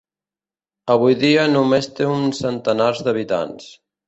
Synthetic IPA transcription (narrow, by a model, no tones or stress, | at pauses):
əβ̞ujðiənumest̪eunsənt̪ənaɾzðəβ̞it̪a̰ns